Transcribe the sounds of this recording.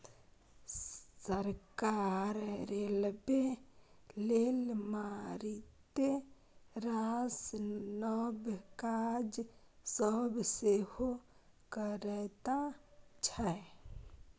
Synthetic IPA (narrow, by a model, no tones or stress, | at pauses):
səɾkaɾɾelbe | lelmaɾit̪e | ɾasnɔbkad͡ʒ | səbseho | kəɾɛt̪at͡ʃʰɛ